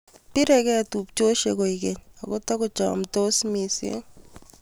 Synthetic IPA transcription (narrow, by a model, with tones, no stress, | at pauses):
pi˦ɾɛ˨kɛ˦tu˨p̚t͡ʃo˦ʃe˨ko˨ike˨ɲa˨ko˦ta˦kʊ˦t͡ʃɔ̰˨mto˦smi˨sḛ˦